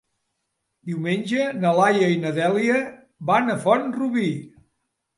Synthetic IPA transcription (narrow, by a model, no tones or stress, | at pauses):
d̪iwmenʲʒənəlajəinəðɛliə | βanəfɔnruβi